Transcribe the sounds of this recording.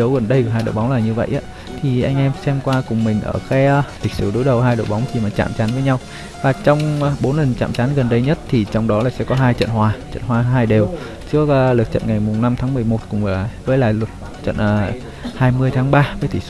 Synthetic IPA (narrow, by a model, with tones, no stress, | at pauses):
ə˨˦wɣə˨˩nɗə˧jɨ˨˧˩ɦaː˧jɗo̰˧˨jɓa˨˦wŋ͡mlaː˨˩ɲɨ˧və̰˧˨jʔaː˨˦ | t̪ʰi˨˩ʔa˧jŋ̟ʔɛ˧msɛ˧mkwaː˧kʊ˨˩ŋ͡mmï˨˩ŋ̟ʔə̰ː˧˩kaː˨˦jli˨˩k̟̚sɨ˧˩ɗo˨˦jɗə˨˩wɦaː˧jɗo̰˧˨jɓa˨˦wŋ͡mt͡ɕʰi˧˩maː˨˩t͡ɕa̰ː˧˨mt͡ɕaː˨˦nvəː˨˦jɲa˧w | vaː˨˩t͡ɕɔ˧wŋ͡mɓo˨˦nlə˨˩nt͡ɕa̰ː˧˨mt͡ɕaː˨˦nɣə˨˩nɗə˧jɲə˦˥t̚t̪ʰi˨˩t͡ɕɔ˧wŋ͡mɗɔ˨˦laː˨˩sɛ̰˧˥kɔ˨˦ɦaː˧jt͡ɕə̰˧˨nhwaː˧t͡ɕə̰˧˨nhwaː˧ɦaː˧jɗe˨˩w | t͡ɕɨ˦˥ək̚ːlɨ˨˩t̚t͡ɕə̰˧˨nŋa˨˩jmʊ˨˩ŋ͡mna˧mt̪ʰaː˨˦ŋmɨ˨˩əjmo˨˩t̚kʊ̰˧˩ŋ͡mvəː˨˦jla̰ː˧˨jlʊ˨˩t̚ | t͡ɕə̰˧˨nʔəː˨˩ | haː˧jmɨ˧əjt̪ʰaː˨˦ŋɓaː˧vəː˨˦jt̪ʰi˧˩s